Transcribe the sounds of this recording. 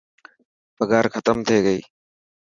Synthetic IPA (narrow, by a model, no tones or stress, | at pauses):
bəɡaːɾxət̪əmt̪ʰeːɡəiː